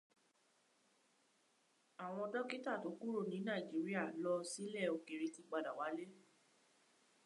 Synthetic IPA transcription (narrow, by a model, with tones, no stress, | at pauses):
a˨w̃ɔ̃˧ɔ˧dɔ˦ki˦ta˦˨to˨˦ku˦ɾo˦˨nĩ˨˦nã˦˨i˨d͡ʒi˨˦ɾi˦a˦˨lɔ˧si˦lɛ˦˨o˧ke˨ɾi˧ti˧k͡pa˧˨da˨wa˨˦le˦